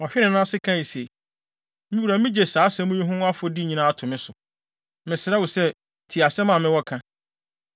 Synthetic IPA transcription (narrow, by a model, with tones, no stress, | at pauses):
ɔ˨ɕᶣɪ˦nɪ̃˨nã˦sɪ˦kʰã˦˨i˨se˨ | mɪ̃˦wu˨ɾæ˨mĩ˦d͡ʑe˨saː˨˦sɛ̃˦mũ˦ɲĩ˦ɦʊ̃˦a˦fɔ˦di˦ɲĩ˦nãː˦a˦˨tʰʊ̃˨mɪ̃˦sʊ˨ | mɪ̃˨sɪ˨ɾɛ˦wʊ˨sɛ˦ | tʰi˨a˨sɛ̃˦mã˦˨mɪ̃˦wɔ˦kʰã˦